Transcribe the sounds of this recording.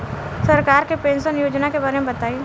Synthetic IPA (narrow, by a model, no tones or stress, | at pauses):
sɐɾkaːɾkepẽːnsənjoːd͡ʒnakebaːɾemẽbɐt̪aːi